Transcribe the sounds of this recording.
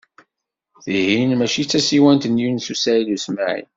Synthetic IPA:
θihinmæʃit͡sːæsiwænt̪ənjunθusæjlusmaʕḭn

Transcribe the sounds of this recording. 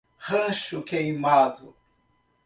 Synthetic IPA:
ʁɐ̃ʃʊkejmad̪ʊ

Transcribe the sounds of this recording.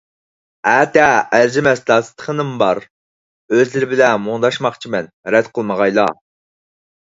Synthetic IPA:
æːt̪ɛːld͡ʒɪmɛsd̪ɑːsɨ̥t̪ʰːə̥χʰənɨmbɑɾ | øzlɪɾɪbɪlɛmuŋd̪ɑʃmɑχt͡ʃʰimɛnɾɛd̪qʰəlˠməʁɑjlˠɑ̰

